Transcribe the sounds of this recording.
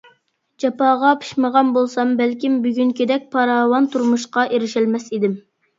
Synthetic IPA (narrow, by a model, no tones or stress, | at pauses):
d͡ʒɑpɑːʁɑpʰy̥ʃməʁɑnbolˠsɑmbælkʲimbyɡʲyŋkʲid̪ɛk̚ʲpʰɑɾɑːwɑnt̪ʰuɾmuʃqɑʔeɾɪʃɪlmɛsid̪ɪm